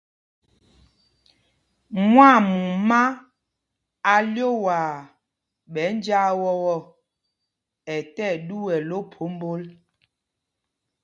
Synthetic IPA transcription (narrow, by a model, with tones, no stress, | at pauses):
mwa˦˨mu˨ma˦ | a˨ljo˦waː˨ | ɓɛ˨˦n˦d͡ʒa˦wɔ˦wɔ˦˨ | ɛ˨tɛ˦˨du˦wɛ˨lo˦pʰo˨˦m˦bo˦l